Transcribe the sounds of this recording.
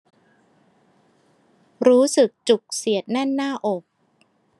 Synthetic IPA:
ɾuː˦˥sɯ˨˩k̚t͡ɕu˨˩k̚si˨˩˦ət̪̚nɛ˥˩nːaː˥˩ʔo˨˩k̚

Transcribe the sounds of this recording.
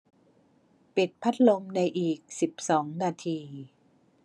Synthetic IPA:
pi˨˩t̪̚pʰa˦˥t̪̚lo˧mna˧jʔiː˨˩k̚si˨˩p̚sɔː˩˦ŋnaː˧t̪ʰiː˧

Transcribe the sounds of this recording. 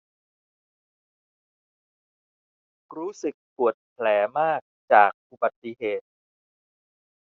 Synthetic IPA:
ɾuː˦˥sɯ˨˩k̚pu˨˩ət̪̚pʰlɛː˩˦maː˥˩k̚t͡ɕaː˨˩k̚ʔu˨˩ba˨˩t̪ːi˧˨ɦeː˨˩t̪̚

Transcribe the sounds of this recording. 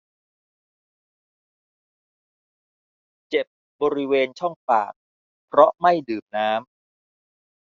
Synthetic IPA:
t͡ɕe˨˩p̚ | bɔː˧ɾi˦˥weː˧nt͡ɕʰɔ˥˩ŋfa̰ː˨˩k̚ | pʰɾɔ˦˥ma˥˩jdɯː˨˩p̚naː˦˥m

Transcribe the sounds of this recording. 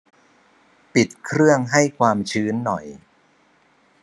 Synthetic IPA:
pi˨˩t̪̚kʰɾɯ˥˩əŋɦa˥˩jkʰwaː˧mt͡ɕʰɯː˦˥nːɔ̰˨˩j

